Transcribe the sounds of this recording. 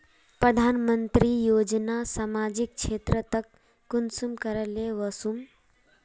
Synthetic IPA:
pɾəd̪ʱanmənt̪ɾijod͡ʒnasamad͡ʒik̚t͡ʃʰet̪ɾət̪əkː | unsumkəɾəleʋəsum

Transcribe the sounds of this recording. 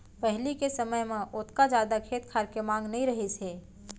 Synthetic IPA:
pɛɦlikesəməjmẽʔʊt̪kad͡ʒjaːd̪akʰeːt̪̚kʰaːɾkemãːŋɡnɐĩɾɐɦiseː

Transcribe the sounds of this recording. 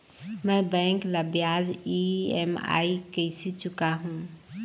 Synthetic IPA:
mɛ̃bɛ̃ŋkləbjaziema̰ikəɪsit͡ʃʊkaɦũ

